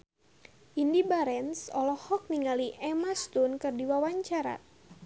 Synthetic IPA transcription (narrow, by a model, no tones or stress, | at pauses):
ʔindibaɾɛnsɔlɔhɔk̚niŋaliʔɛmast̪unkɨrdiwawaɲt͡ʃaɾa̰